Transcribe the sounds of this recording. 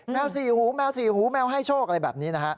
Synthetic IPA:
mɛ˧wsiː˨˩huː˩˦mɛː˧wsiː˨˩huː˨˩˦mɛː˧wɦa˥˩jt͡ɕʰoː˥˩k̚a˧ɾa˧jbɛ̰ː˨˩p̚niː˦˥na˦˥kʰa˦˥ʔ

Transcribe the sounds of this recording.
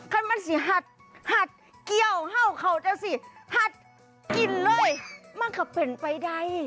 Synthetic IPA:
kʰa˧˥˨nma˧˥˨nsi˧˦ɦa˧˩t̪̚ | ha˧˥t̪̚ | ki˧əwɦa˧˩˨wkʰa˧˩wt͡ɕa˧˥si˧˩ha˧˥t̪̚ | ki˨˩nlɤː˧˨jma˧˥˨nkʰa˧˩pe˨˩npa˨jda˧˩˨j

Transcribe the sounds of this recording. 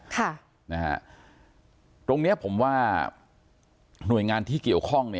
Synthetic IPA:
kʰa˥˩ | na˦˥ha̰˦˥ | t̪o˧ŋni˦˥ɐpʰo˩˦mwaː˥˩ | nu˨˩əjŋaː˧nt̪ʰiː˥˩ki˨˩əwkʰɔ˥˩ŋni˥˩

